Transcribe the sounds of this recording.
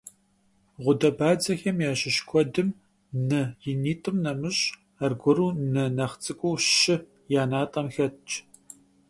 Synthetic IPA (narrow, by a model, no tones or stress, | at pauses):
ʁʷʊdɐbaːd͡zɐxɐmjaːʃɪʃkʷʰʼɔdɨm | nɨjɪniːtʼɨmnɐmɨɕ | arɡʷɔɾuːnɨnɐχt͡sʼɨkʷʼʊwʃɪ | jaːnaːtʼɐmxɐtt͡ʃʼ